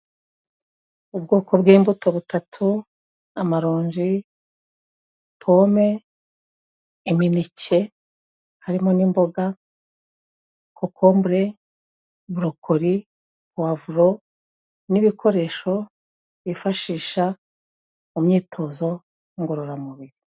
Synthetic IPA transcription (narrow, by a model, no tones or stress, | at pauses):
ubɡo̞ːkʰo̞bɡiːmbuto̞βutʰatʰu | amaɾoːɲd͡ʒi | pʰo̞me̞ | minice | haɾimo̞nimbo̞ɡa | kokʰoːmbɾe̞ | βuɾukʰoɾi | wavuɾo̞ | niβikʰo̞ɾe̞ːʃo̞ | βifaʃiːʃa | umɲiːtʰo̞zo̞ | ŋɡuɾuɾamuβiɾi